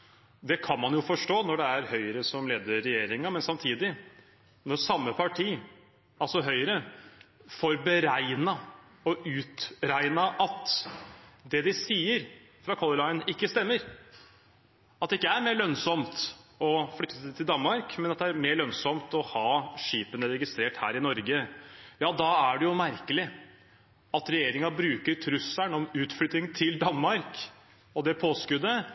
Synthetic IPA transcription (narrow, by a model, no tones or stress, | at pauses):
d̪ɛkʰɑnmɑnjʊfɔʂʈoːnɔɖɛæɾhœʏəɾəsɔmleːd̪əɾɛjeːɾɪŋɑmɛnsɑmt̪ʰiːd̪ɪ | nɔsɑmːəpʰɑʈʰiː | ɑlsɔɦœʏəɾə | fɔɾbəɾæɪnɑ | ɔʉːt̪ɾæɪnɑʔɑt̪ | d̪ɛd̪ɪsiːəɾ | fɾɑkʰɔlˠəlɑɪənɪkːəst̪ɛmːəɾ | ɑt̪ɛɪkːəæɾmeːɭœnsɔmt̪ɔfɽʏt̪ːət̪ʰːɪld̪ɑnmɑɾkmɛnɑt̪d̪ɛæɾmeːɭœnsɔmt̪ɔhɑːʂiːpənəɾɛɡɪst̪ɾeːʈhæ̰ːɾɪnɔɾɡəjɑːd̪ɑæɖɛjʊmæɾkəlɪ | ɑt̪ɾɛjeːɾɪŋɑbɾʉːkəɾʈʰɾʉsænɔmʉːt̪flʏt̪ːɪŋt̪ʰɪld̪ɑnmɑɾk | ɔd̪ɛpʰoːskʉd̪ːə